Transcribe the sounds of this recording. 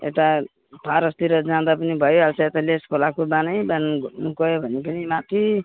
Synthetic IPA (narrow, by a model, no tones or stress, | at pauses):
ḛt̪a | pʰaɾʌst̪iɾʌd͡zãd̪apʌnibʱʌjoɦalt͡sʰʌet̪aleskʰolakobanʌjbannukʌjobʱʌnepʌnimat̪ʰi